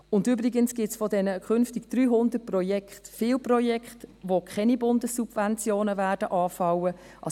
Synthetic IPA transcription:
ʊndyːbɾɪɡənsɡ̥ɪtsfɔdɛnəkʰχʏnftɪɡd̥ryːɦʊnd̪ət̚prɔjɛkχtfɪːlprɔjɛkχtʋokχɛnibʊndəsːub̥vɛnt͡sjoːnəvæːd̥əʔɑːfɑwə | ʔɑ

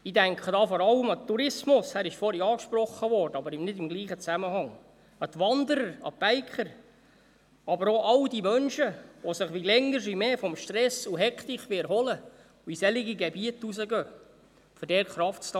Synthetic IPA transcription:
idæŋkʰədɑːfɔɾɑləmɑt̪ːuɾɪsmʊshæɾɪʃfɔɾjɑːkʃpɾɔχːəʋɔrdəɑbəɾɪmnɪdɪmɡliːχət͡sæməhɑŋ | ɑt̪ʋɑnd̪əɾəɾɑ̰b̥æɪkχəɾ | ɑbəɾoʔɑldimœnʃəʋosəχʋilɛŋːəɾs̬ʋimeːfɔmʃtɾɛsuɦɛkχt̪iχʋɪɾɦɔlə | uisɛliɡiɡebiətusəɡœː | føɾdɛːɾχɾɑftstɑ

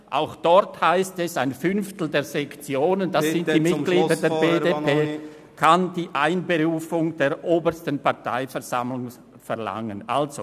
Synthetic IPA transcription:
ʔa̰ʊxd̥ɔʁthaɪstɛsaɪnfʏnftl̩deːɐzɛkt͡sjoːnəndasɪntdiːmɪɡ̥liːdədeːɐbedeːpʰeː | kʰand̥iːʔaɪnbeʁuːfʊŋdeːɐʔoːbəstənpaɐtʰa̰ɪfɛɐza̰mlʊŋ | fɛɐla̰ŋənʔa̰lzo

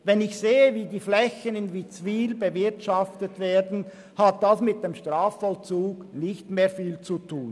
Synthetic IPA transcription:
vɛnɪçseːəviːdiːflɛçənɪnvit͡sviːlbəvɪɐtʃaftətveːɐdn̩ | hat̚d̥asmɪt̚d̥emʃtʁaːfːɔlt͡suːɡ̥nɪçtmeːɐfiːlt͡sutʰuːn

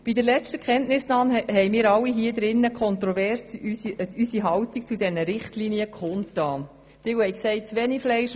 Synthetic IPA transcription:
b̥idəɾlɛstəkχɛntnɪsnɑːnhɛɪmiːɾɑlːiɦiəd̪ɾɪnːəkʰɔnt̪ɾɔvɛrs | ysiɦɑwtik̚t͡sudɛnəɾɪχtliːniəkχɔntːɑː | tɪwhɛjksɛɪt̚t͡sʋɛːniflɛɪʃ

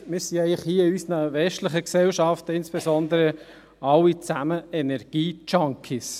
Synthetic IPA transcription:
mɪːɾsiæɪlɪχhiːəɪysənəʋɛstlɪχəksɛlʃɑftəɪnsb̥esɔnd̪əɾə | ɑwit͡sæməɛnɛɾɡ̥iːt͡ʃɑŋkʰis

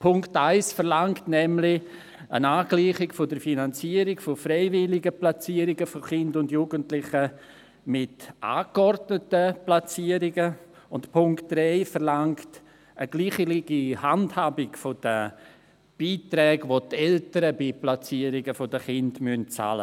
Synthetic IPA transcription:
pʰʊŋktaɪsfəɾlaŋktnɛmlɪ | ə̰naːɡ̥liːχɪɡfodəɾfinant͡siəɾɪɡ̥fofɾeɪvɪlɪɡəplat͡siːəɾɪɡəfoχɪndʊndjuːɡəntlɪχə | mɪtʔa̰ːkɔrdnətəplat͡siəɾɪɡə | ʊntpʰʊŋkt̚d̥ɾɛɪfəɾlaŋkt | əɡliːχəliɡ̥ihandhaːbɪɡ̥fod̥ə | b̥iːtɾɛːɡʋotɛltəɾəbiplat͡siːəɾɪɡəfodəχɪndmynt͡sa̰ːlə̰

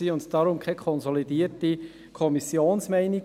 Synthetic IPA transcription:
iːʊntd̥ɑɾʊmkʰɛkʰɔnzɔlidiːɾti | kʰɔmisjoːnsmɛɪni

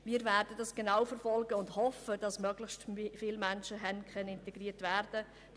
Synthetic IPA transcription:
miːɾvæːɾd̥ədɑsɡ̥enawfɛɾfɔlɡəʊndhɔfəd̥ɑsmœɡlɪçstfɪlmænʃəɦɛnkʰœnəɪnteɡ̥riːɾtvæːɾd̥ə

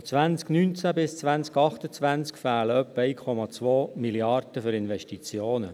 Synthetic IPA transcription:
t͡sʋænt͡sknynt͡sæbɪst͡sʋænt͡skɑχt̪ət͡sʋænt͡skfæːləœpːəɛɪkʰɔmɑt͡sʋoːmiliɑrd̪̥əfʏɾɪnvɛʃtit͡sjoːnə

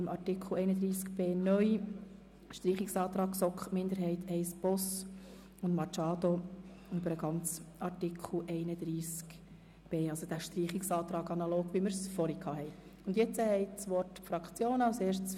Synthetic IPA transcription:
ɪmʔɑrtikʰχl̩ɛɪnəd̪ɾiːskb̥eːnœʏ | ʃtɾiːχiksɑːt̪ɾɑːksɔkχmɪnd̪əɾɦɛɪt̪ʰɛɪsb̥ɔs | ʊndmɑt͡ʃɑːd̥̪o | ybəɾəɡɑnt͡sɑrtikʰl̩ʔɛɪnəd̪̥ɾiːsk | b̥eːɑlsod̥æʃtriːχiksɑːt̪ɾɑːɡɑnɑloːɡ̥ʋiməɾsfɔɾikʰɑːɦɛɪ | ʊnd̪jɛt͡səhɛɪt͡sʋɔrtfɾɑkt͡sjoːnaʊseːɾʃts

